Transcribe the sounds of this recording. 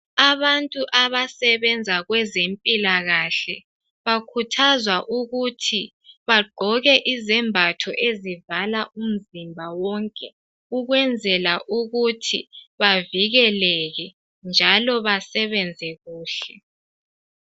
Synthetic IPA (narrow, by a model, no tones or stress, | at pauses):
aβantʼuʔaβasɛβɛnd͡zʱaɣwɛzempʼilaɣaɬɛ | βakʰutʰazwaʔuɣutʰi | βaɡ͡ǃʱɔɣɛʔizɛmbʱatʰɔʔezivalaʔum̩zimbʱawɔŋkʼɛ | uɣwɛnd͡zʱɛlaʔuɣutʰiβaviɣɛlɛɣɛ | nd͡ʒʱalɔβasɛβɛnd͡zʱɛɣuːɬɛ